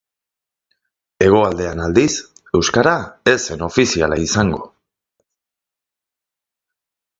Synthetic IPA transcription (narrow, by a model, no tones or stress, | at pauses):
e̞ɣ̞o̞ald̪e̞anald̪ise̞wskaɾae̞se̞no̞fisiala̰isaŋɡo̞̰